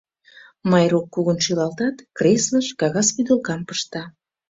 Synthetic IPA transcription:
mɑjɾokːuɣənʃylɑlt̪ɑt̪kresləʃkɑɣɑspyd̪əlkɑmpə̥ʃt̪ɑ

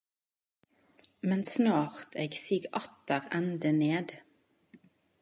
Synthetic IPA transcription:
mɛnsnɑːʁt̪ʰeːɡsiːɡɑt̪əʁɛnd̪əneːd̪

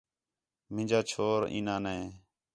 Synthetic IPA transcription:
mɪ̃nd͡ʒaːt͡ʃʰoːɾḭ̃ːnãːnɛ̃ː

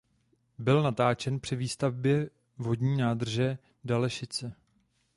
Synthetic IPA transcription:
bɪlnat̪aːt͡ʃɛnpr̥ɪviːst̪avbjɛ | vo̞dɲiːnaːd̪r̩ʒɛ | dalɛʃɪt͡sɛ

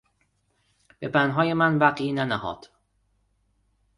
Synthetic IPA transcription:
b̥ebænɦɒːjemænvæɢiːnænæhɒ̰ːd̪̥

